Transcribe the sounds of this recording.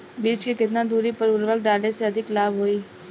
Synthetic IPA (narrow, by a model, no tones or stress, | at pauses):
biːt͡ʃkikɪt̪nad̪uːɾipɐɾʊɾʋək̚ɖaːleseɐd̪ʱɪklaːbɦoːiː